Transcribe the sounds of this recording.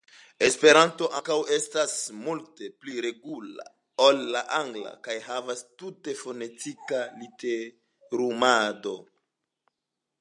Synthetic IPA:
e̞spe̞ɾanto̞ʔaŋkawe̞stasmulte̞pliɾe̞ɡula̰ | olːaʔaŋɡla̰kajhavastute̞fo̞ne̞tikalite | ɾumado̞

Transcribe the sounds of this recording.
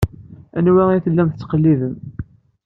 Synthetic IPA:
ænwæiθəlːæmθə̥t͡sːə̥qəlːiðəm

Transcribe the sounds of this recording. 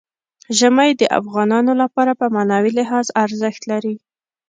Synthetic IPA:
ʒəmajd̪əʔa̰fɣɑnɑnolapɑɾapəmanɑwilɪɦɑzaɾzəxt̪laɾi

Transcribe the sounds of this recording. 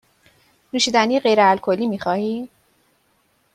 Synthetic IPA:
nuːʃiːd̪ænijeɢe̞jɾeælkʰo̞lːiːmiːxɒːhiː

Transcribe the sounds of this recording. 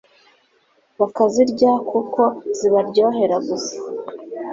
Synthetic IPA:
βakaziɾɟakʰuko̞ziβaɾɟo̞ːɦe̞ɾaɡusḁ

